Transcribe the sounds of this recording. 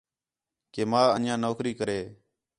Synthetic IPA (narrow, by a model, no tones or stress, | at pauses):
keːmãːənjãːnoːkɾiːkəɾeː